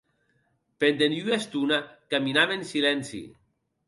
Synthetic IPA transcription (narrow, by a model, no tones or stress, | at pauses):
pend̪enyest̪unakaminaβensilɛnsḭ